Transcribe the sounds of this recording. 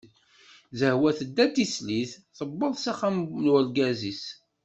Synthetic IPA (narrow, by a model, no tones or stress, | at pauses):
zəhwæθəd̪ːæt̪ːisliθθəbːəðˤsaχamnwælɡæzis